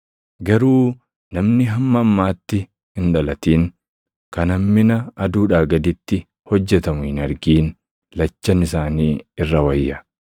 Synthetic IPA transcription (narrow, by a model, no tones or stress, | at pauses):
ɡɐɾuː | nɐmnɪɦɐmːɐːmːaːt̪ːɪ | ɪnᶑɐlɐt̪iːn | kɐnɐmːɪnɐɐd̪uːᶑaːɡɐd̪ɪt̪ːɪ | hɔd͡ʒːɛt̪ɐmʊhɪnɐɾɡiːn | lɐt͡ʃːɐnɪsaːniːɪrːɐwɐjːɐ